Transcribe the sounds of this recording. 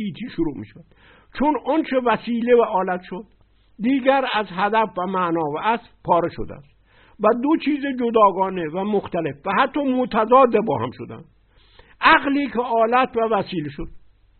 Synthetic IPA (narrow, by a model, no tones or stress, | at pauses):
iːt̪ʰiːʃoɾuːmḭːʃævæd̪̥ | t͡ʃʰonont͡ʃʰevæsiːlevæʔɒːlæt̪ʃod̪̥ː | iːɡæɾæzɦæd̪æfvæmænɒːvææs | pʰɒːɾe̞ʃo̰d̪ḛæ̰st̪ | væd̪ot͡ʃʰiːzed͡ʒod̪ɒːɡɒːnevæmoxt̪æle̞fvæhæt̪ʰːɒːmot̪ʰæzɒːd̪ebɒ̰ːhæ̰mʃo̰d̪æ̰nd̪̥ | ʔæɣliːkʰeɒːlæt̪ʰvævæsiːleʃod̪̥̚